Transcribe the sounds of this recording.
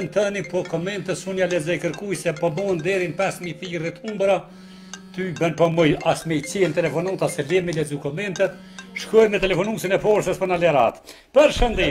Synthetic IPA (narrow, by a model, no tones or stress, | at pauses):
nt̪ənipɔkɔmɛnt̪əsunjalɛzɛjkəɾkujsɛpɔbɔɛnd̪ɛɾinpɛsmiθirit̪umbɾa | t̪ybənpɔmɔjasmɛjt͡sɛnt̪ɛlɛfɔnut̪asɛlɛmilɛzukɔmɛnt̪ɛt̪ | ʃkɾɔjmnət̪ɛlɛfɔnusinɛfɔɾsəspɔɾnalɛɾa̰t̪ | pəɾʃənd̪i